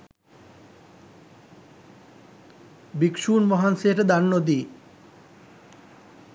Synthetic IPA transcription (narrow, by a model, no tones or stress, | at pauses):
bikʃunmɔɦanseʈd̪annod̪i